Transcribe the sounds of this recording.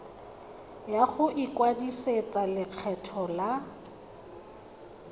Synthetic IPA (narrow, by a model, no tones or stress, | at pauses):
jaχʊʔikwadiset͡salɪq͡χʰɛtʰɔla